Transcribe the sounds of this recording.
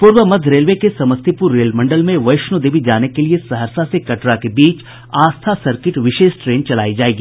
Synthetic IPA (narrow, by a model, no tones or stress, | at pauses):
pʊːɾʋəmɐd̪ʱɾeːlʋekesɐməst̪ʰipuɾːeːlmɐ̃ɳɖəlmẽʋɐɪʃnud̪eːʋid͡ʒaːnekeliesɐɦəɾsasekɐʈɾakebiːt͡ʃ | aːst̪ʰasɐɾkɪʈʋɪʃeːsʈɾeːnt͡ʃɐla̰ːid͡ʒaːeːɡiː